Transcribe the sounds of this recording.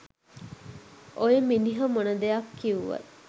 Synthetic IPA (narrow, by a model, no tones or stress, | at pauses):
ʔojeminiɦɐmonɐd̪ejɐkːiuʋɐ̰